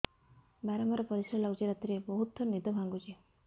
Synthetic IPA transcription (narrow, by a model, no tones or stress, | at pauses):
baɾamaɾɔpɔɾisɾalɔɡd͡ʒiɾat̪iɾebɔɦut̪ɔnid̪ɔbʱaŋɡut͡ʃʰi